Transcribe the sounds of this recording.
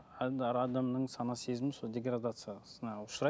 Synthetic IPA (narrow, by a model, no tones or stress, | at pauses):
d̪ɾad̪amnəɴsɑnɑsezmɪsolˠdʲe̞ɡrad̪at̪sɨjasənɑʊʃɾɑ